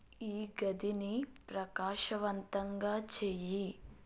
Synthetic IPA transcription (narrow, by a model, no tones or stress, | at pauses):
iːɡɐd̪inipɾɐkaːʃɐʋɐnt̪ɐŋɡaːt͡ʃeːji